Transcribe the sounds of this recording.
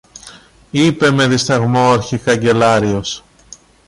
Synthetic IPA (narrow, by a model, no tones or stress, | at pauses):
ipe̞me̞ðist̪ɐɣmoɾçikɐɲɟe̞lɐɾio̞s